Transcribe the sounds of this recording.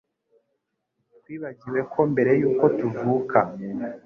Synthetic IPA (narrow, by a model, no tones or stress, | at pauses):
twiːβaɟiwe̞kʰo̞mbe̞ɾe̞juːko̞tuvuːkʰa